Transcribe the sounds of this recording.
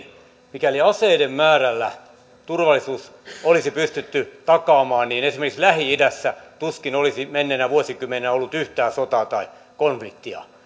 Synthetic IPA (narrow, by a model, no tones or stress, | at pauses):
mikæliɑseidemmæːrælːæ | t̪urʋɑlːˑisuːsolisipyst̪yt̪ːyt̪ɑkɑːmɑːnniːnesimerkikslæhiidæsːæt̪uskinolisimenːenæʋuosikymːenenæolːut̪yht̪æːsot̪ɑt̪ɑi | konflikt̪ːiɑ̰